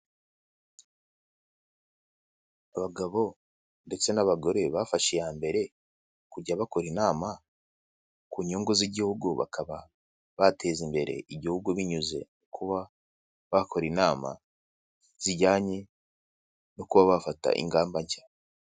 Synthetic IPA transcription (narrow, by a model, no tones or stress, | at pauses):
aβaɡaβo̞ | nde̞t͡se̞naβaɡo̞ɾe̞βafaʃejaːmbe̞ɾe̞ | kuɟaβako̞ɾinaːma | kuːɲoːŋɡoziɟihuɡuβa̰kʰaβa | βatʰe̞zimbe̞ɾe̞̰ʔiɟihuɡuβiɲuze̞̰nokʰuβa | βako̞ɾinaːma̰ | z̥iɟaːɲe | nokuβaβafata̰ʔḭŋɡaːmbaɲt͡ʃḁ